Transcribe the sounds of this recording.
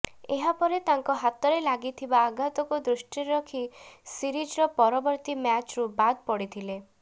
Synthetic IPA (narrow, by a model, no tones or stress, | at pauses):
eɦapɔɾet̪aŋkɔɦat̪ɔɾelaɡit̪ʰibaːɡat̪ɔkud̪ɾusʈiɾɔkʰisiɾid͡ʒɾɔpɔɾɔbɔɾt̪imat͡ʃɾubad̪pɔɽit̪ʰile